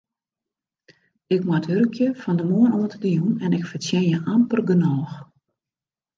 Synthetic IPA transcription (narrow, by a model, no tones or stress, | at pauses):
ɪkmaəthøɾəkʰjəfɔndəmoənoəntədəjunɛnɪkfəsjɛnjəʔampərɡənɔːx